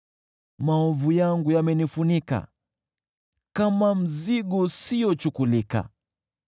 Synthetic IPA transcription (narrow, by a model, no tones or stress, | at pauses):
maɔvujaŋɡujamɛnifunika̰ | kamam̩ziɡɔsijɔt͡ʃukulika̰